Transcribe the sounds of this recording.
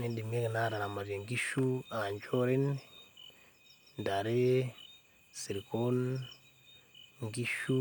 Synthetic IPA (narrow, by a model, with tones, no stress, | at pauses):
ne˦ndi˨me˦ke˨na˦˨ɾa˨na˨ma˨ze˨ŋɡi˦ʃu˦a˨ɲd͡ʒo˦ɾe˦n | nda˨ɾe˦ | si˨ɾi˨ko˦n | ŋɡi˦ʃu˦